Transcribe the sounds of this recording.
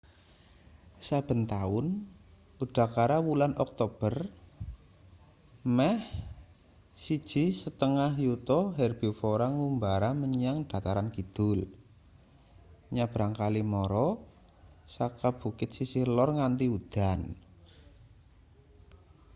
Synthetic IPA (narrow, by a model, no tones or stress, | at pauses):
sab̥ə̤nt̪aʊn | ud̪̥a̤kaɾawulanʔɔk̚t̪ob̥ər | mɛh | sid̥ʒ̥i̤sət̪əŋahjut̪ɔɦɛrb̥i̤foɾaŋumbaɾaməɲaŋd̪̥a̤t̪aɾankid̪̥ʊl | ɲab̥ɾaŋkalimɔɾɔ | sakab̥ṳkɪt̪̚sisihlɔrŋant̪iud̪̥a̤n